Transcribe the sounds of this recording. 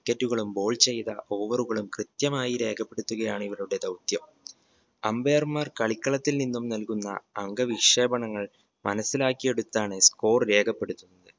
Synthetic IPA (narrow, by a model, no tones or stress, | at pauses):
ikːɐtːuɣɐɭumbo̞ːɭt͡ɕe̞jt̪ɐʔo̞ːʋɐruɣɐɭumkrɨt̪jɐmaːjiɾe̞ːkʰɐpːe̞ɽut̪ːuɣɐjaːɳiʋɐɭuɽe̞d̪ɐwt̪jɐm | ɐmbeːɐrmɐrkɐɭikːɐɭɐt̪ːilninːumnɐlkunːɐ̰ːŋɡɐʋiʂe̞ːbɐɳɐŋːɐɭ | mɐnɐsːilaːkːije̞ɽut̪ːaːɳɨsko̞ːrɾe̞ːkʰɐpːe̞ɽut̪ːunːɐðɨ